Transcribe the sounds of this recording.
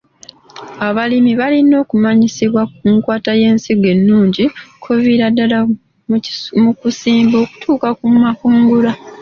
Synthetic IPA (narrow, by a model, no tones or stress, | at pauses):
aβalimiβalino̞ːkumaɲisiβwakuŋkwaːtaje̞ːnsiɡe̞nːuːɲɟikʰoviɾadːala | mmukusiːmbo̞ːku̥tʰuːkakumakuːŋɡula